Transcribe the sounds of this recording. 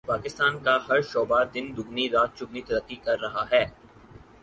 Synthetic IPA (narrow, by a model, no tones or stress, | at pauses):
paːkɪst̪aːnkahɐɾʃɔːbad̪ɪnd̪ʊɡniɾaːt̪̚t͡ʃʊɡnit̪ɐɾəqːikɐɾːɐɦaɦɛː